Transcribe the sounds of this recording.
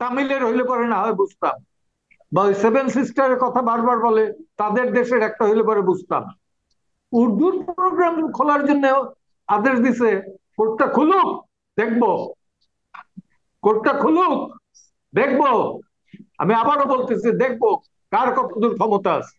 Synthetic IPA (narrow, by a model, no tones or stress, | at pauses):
t̪amileɾɦojlepaɾenaɦɔebud͡ʑʱt̪a̰m | baosebensisʈaɾeɾkɔt̪ʰabaɾbaɾbɔlet̪ad̪eɾd̪eʃeɾɛk̚ʈaɦojlepaɾebud͡ʑʱt̪a̰m | uɾd̪ʱuɾpɾoɡɾamkʰolaɾd͡ʑonːe | ad̪eɾd̪isʰekoʈ̚ʈakʰuluk̚ | d̪ekʰbo | kok̚ʈakʰuluk̚ | d̪ek̚ʰbo | a̰miabaɾobolt̪esid̪ek̚ʰbo | kaɾkɔt̪ʰod̪uɾkʰɔmot̪aa̰s